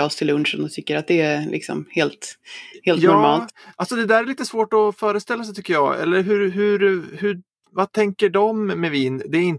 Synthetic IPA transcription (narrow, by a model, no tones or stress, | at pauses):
ɑst̪ʰɪlːɵnʂɔmd̪ɔt̪ʰʏkːəɾat̪̚d̪ɛælɪ̰ksɔ̰mheːlt̪heːljɔɾmɑːltt̪ʔalsɔd̪ɛd̪æːɾɛɭiːt̪əsvoːʈɔfœːɾəst̪ɛlːas̬ɛjt̪ʰʏkːəjɑːɛ̰lːəɾɦɵɾɦɵɾhɵ | vat̪ʰɛŋkəɖɔmːɛviːnd̪ɛæɾɪn